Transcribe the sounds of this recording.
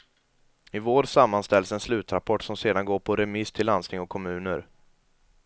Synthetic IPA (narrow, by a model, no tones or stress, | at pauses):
ɪvoːɾsamːanst̪ɛlsɛnslʉ̟ːt̪ɾapʰɔʈːsɔmseːd̪anɡoːɾpʰɔɾɛmɪst̪ʰɪlːanst̪ɪŋɔkʰːɔmʉ̟ːnəɾ